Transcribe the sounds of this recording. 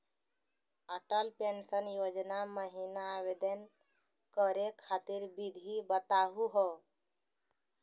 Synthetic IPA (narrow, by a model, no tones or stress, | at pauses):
əʈəlpensənjod͡ʒnaməɦinaːbed̪ən | kəɾekʰat̪iɾbid̪ʱibət̪aɦuɦɔ